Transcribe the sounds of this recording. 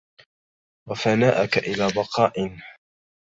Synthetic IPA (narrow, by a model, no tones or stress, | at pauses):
wafanaːʔakaʔɪlaːbɑqɑːʔɪn